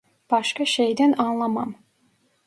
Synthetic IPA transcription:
b̥ɑʃkaʃejd̪ænɑnlˠɑmɑm

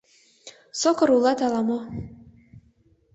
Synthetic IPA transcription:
sokɤ̆ɾulˠɑt̪ɑlˠɑmɑ

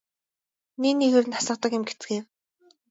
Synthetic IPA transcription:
niniɣeːɾɘ̆nasə̆q̚t̪ə̆kjʊ̆mɡet͡sɡeːr

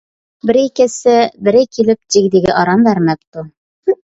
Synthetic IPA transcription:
bɘ̆ɾikɘsɘbɘ̆ɾæjkilɘp̚t̪iɡd̪ĭɡɘ̰ʔɑɾɑnbæɾnæp̚t̪u

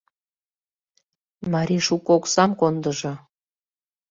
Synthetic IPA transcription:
mɑɾʲiʃukoksɑmkond̪əʒɤ̆

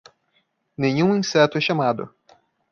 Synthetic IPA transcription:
nẽɲũĩsɛt̪ʊɛʃamad̪ʊ̰

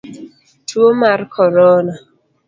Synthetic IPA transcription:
tʰwomarkʰɔɾɔna

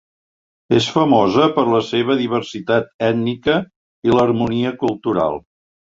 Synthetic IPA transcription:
esfəmɔzəpəɾləseβ̞əðiβ̞əɾsit̪at̪ɛd̪nikə | ilərmuniəkulˠt̪uɾa̰lˠ

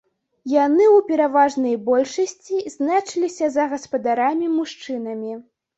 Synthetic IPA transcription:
janɨwpʲɛɾavaʐnɐjbɔlʲʂɐsʲt͡sʲizʲnat͡ʂɨlʲisʲɐzɐɣɐspɐd̪aɾamʲimuʂt͡ʂɨnɐmʲi

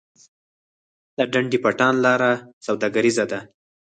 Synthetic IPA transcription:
laɖaɳɖipaʈɑnlɑɾasawd̪ɑɡaɾizad̪a

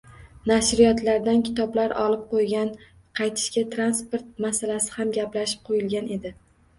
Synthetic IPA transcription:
naʃɾɪjɒt̪laɾd̪ankʲʰɪ̥t̪ʰɒblaɾɒlɪp̚qʰojɡʲan | qʰɑjt̪ʰɪ̥ʃkʲat̪ʰɾanspoɾt̪̚masalasɪ̥hamɡʲaplaʃɪ̥p̚qʰojɪlɡʲane̞d̪ɪ

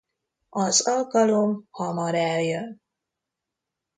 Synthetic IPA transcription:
ɒzɒlkɒlomhɒmɒɾɛljøn

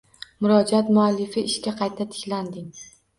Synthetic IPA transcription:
mʊɾɒd͡ʒat̪mʊalːɪfɪɪʃkʲaqʰɑjt̪ʰat̪ʰɪ̥kʲland̪ɪŋ

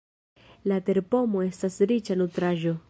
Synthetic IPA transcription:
late̞ɾpo̞mo̞e̞stasɾit͡ʃanutɾaʒo̞

